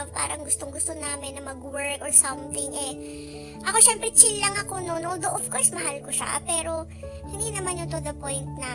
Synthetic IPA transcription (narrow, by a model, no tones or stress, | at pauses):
vpa̰ːɾɐŋɡʊst̪oŋɡʊst̪o̞naːmɪnːɐmɐɡwɛɹkʔɔɹsɐmθɪŋʔɛ | ʔɐko̞ʃɛmpɾɛt͡ʃɪlːɐŋɐko̞nonʔold̪oʔɔfkoɹsmɐɦalkoʃa̰pɛːɾo̞ | hɪnd̪inɐmanːot̪ʊd̪ɐpo̞jnt̪̚na